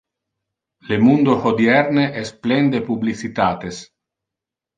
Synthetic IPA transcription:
lemund̪ohod̪jɛrneʔɛsplɛnd̪epublisit̪aːt̪es

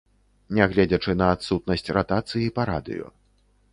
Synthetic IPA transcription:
nʲɛɣlʲɛd͡zʲɐt͡ʂɨnɐːt̪sut̪nɐsʲt͡sʲrat̪at̪sɨjipɐɾa̰d̪ɨ̰jɔ̰

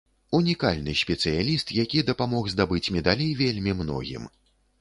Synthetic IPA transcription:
unʲikalʲnɨsʲpʲɛt̪sɨjalʲist̪jakʲid̪ɐpamɔɣzd̪abɨt͡sʲmʲɛd̪alʲejvʲelʲmʲimnɔ̰ɣʲḭm

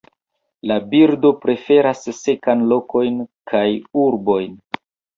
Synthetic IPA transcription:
labiɾdo̞pɾe̞fe̞ɾasːe̞kanlo̞ko̞jnkʰajuɾbo̞jn

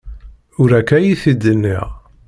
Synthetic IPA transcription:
ʊɾækæjiθid̪ənːḭʁ

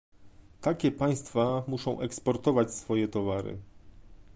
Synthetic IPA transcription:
t̪akʲɛpaj̃st̪famuʂɔ̃w̃ʔɛkspɔɾt̪ɔvat͡ɕsfɔjɛt̪ɔvaɾɘ̰

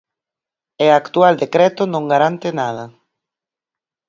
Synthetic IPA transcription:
eakt̪uald̪ekɾɛt̪onõŋɡaɾant̪enaða

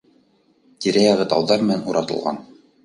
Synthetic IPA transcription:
t̪ʲiɾæjɑʁɘt̪ɑwðɑɾmɘ̆nænuɾɑt̪ɤ̆lˠʁɑ̰n

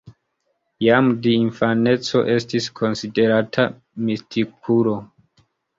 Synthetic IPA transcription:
jamdiinfane̞t͡so̞̰ʔe̞stiskʰo̞nside̞ɾatʰa | mistʰikʰulo̞

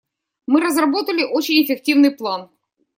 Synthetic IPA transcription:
mɨɾəzrɐbo̞t̪əlʲɪʔot͡ɕɪnʲɪfʲɪk̚tʲivnɨjplˠan

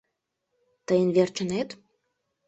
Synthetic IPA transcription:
t̪əjənβert͡ɕənet̪

